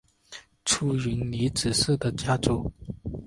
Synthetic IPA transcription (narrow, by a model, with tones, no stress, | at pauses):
ʈ͡ʂʰu˥y˧˥nli˧˥t͡sɹ̩˨˩ʂ̩˥˩d̪ə˨t͡ɕja˥t͡su˨˩˦